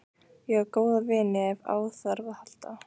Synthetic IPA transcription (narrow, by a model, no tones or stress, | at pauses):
jɛɣɛɾkoːwðavɪːnɪɛva̰ːwθœɾvahal̥t̪a